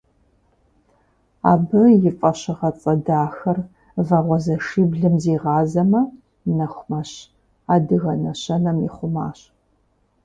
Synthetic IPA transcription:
a̰ːbɨjɪfʼɐɕɨʁɐt͡sʼɐdaːxɐr | vɐʁʷɔzɐʂiːbɮɨmziːʁɑːzɐmɐ | nɐxʷmɐɕ | aːdɨɣɐnɐɕɐnɐmɪ̰χʷʊma̰ːɕ

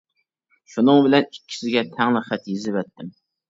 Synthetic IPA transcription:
ʃunɨŋbɪlɛnikʲːi̥sɪɡʲɛt̪ʰɛŋlˠɨχæt̪jɪzɪvɛt̪ːɪm

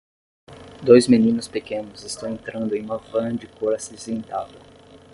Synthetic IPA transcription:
d̪ojzmenĩnʊspekẽnʊzɪst̪ɐ̃w̃ẽnt̪ɾɐ̃nd̪ʊẽj̃ũmɐvɐ̃d͡ʒɪkoɾasizẽnt̪avɐ

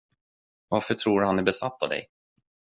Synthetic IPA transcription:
vaɾfœʈʰɾuːɾhanæɾbɛsat̪ːa̰vd̪ɛ̰j

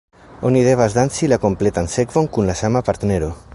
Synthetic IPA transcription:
oniðeβazðansilako̞mplet̪anseɡvoŋkunlasamapaɾt̪neɾo

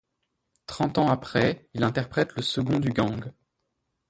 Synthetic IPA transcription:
t̪χɑ̃t̪ɑ̃apχɛilɛ̃t̪ɛʁpχɛt̪ləsəɡɔ̃d̪yɡɑ̃ɡ

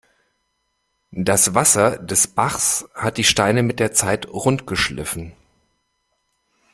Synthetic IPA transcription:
d̥asvasɐdɛsb̥aχshat̚d̥iːʃtaɪnəmɪt̚d̥eːɐt͡saɪtʁʊntɡ̥əʃlɪ̰fn̩

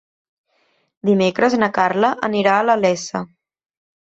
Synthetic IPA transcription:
d̪imekɾəznəkarləʔəniɾaələlɛsə

